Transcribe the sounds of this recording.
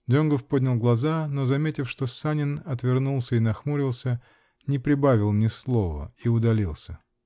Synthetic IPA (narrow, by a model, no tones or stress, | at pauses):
d̪ʲonɡəfpodʲnʲɪlˠɡlˠɐzano̞zɐmʲetʲɪfʂt̪o̞sanʲɪnɐt̪vʲɪrnulˠsʲəinɐxmuɾʲɪlˠsʲə | nʲɪpɾʲɪbavʲɪlˠnʲɪslˠo̞və̰iʊd̪ɐlʲilˠsʲə